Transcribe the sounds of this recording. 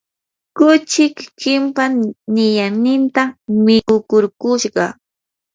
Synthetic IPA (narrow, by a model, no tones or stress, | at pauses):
kʊt͡ʃɪkːɪmpannɪjanɪnt̪amɪkʊkʊɾkʊʃɢɑ